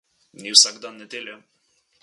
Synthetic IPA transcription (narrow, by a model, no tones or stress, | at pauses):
nʲiwsaɡd̪anːɛd̪ʲelʲjɔ